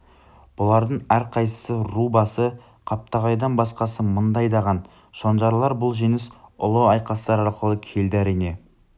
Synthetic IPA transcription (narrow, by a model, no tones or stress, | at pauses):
b̥ʊlˠɑɾd̪əɴæɾqʰɑjsə̥sərubɑsə | qʰɑp̚t̪ɑʁɑjd̪ɑnbɑsqɑsəmənd̪ɑjd̪ɑʁɑn | ʃonʒɑɾlˠɑɾbʊlˠʒenɪsʊlˠəɑjqɑst̪ɑɾɑɾqəlˠəkʲʰe̞ld̪ɪæɾijne̞